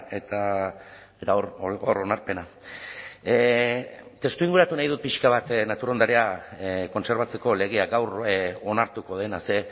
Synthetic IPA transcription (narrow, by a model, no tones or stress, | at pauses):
e̞t̪a | t̪aoroɾo̞naɾpe̞na | t̪e̞st̪uiŋɡuɾat̪unajðut̪̚piʃkaβ̞at̪nat̪uɾo̞nd̪aɾeako̞nse̞ɾβ̞at͡se̞ko̞le̞ɣ̞eaɡawro̞naɾt̪uko̞ð̞e̞nase̞